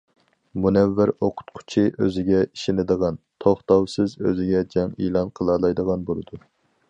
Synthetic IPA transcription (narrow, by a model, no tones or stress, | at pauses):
munɛvːɪɾoqʰʊ̥t̪̚qʰʊ̥t͡ʃʰiʔøzɪɡʲɛiʃinɪd̪əʁɑnt̪ʰoχt̪ɑwsɨzøzɪɡʲɛd͡ʒɛŋḭlˠɑnqʰəlˠɑlˠɑjd̪əʁɑnbolˠɨd̪u